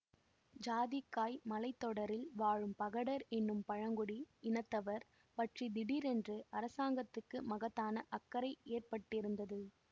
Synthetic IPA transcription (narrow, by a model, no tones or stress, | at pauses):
d͡ʒaːðɪkːaːjmɐlɐɪt̪ːɔɽɐɾɪlʋaːɻɯmpɐɣɐɽɐɾɛnːɯmpɐɻɐŋɡʊɽiɪnɐt̪ːɐʋɐɾ | pɐʈrid̪ɪɽiɾɛndrɯʔɐɾɐsaːŋɡɐt̪ːɯkːɯmɐɣɐt̪ːaːnɐʔɐkːɐɾɐɪeːrpɐʈːɪɾɯnd̪ɐðɯ